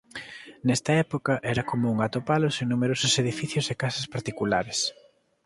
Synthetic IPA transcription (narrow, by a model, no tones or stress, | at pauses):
nɛst̪ɐɛpokɐʔɛɾɐkomouŋat̪opaloseŋnumeɾosʊseðifiθjʊsekasɐspaɾt̪ikulaɾes